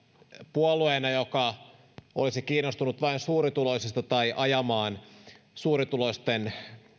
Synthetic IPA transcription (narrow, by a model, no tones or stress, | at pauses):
puolueːnɑjokɑ | olisikiːnːost̪unut̪ʋɑinsuːɾit̪ulosist̪ɑt̪ɑiʔɑjɑmɑːn | suːɾit̪uloist̪en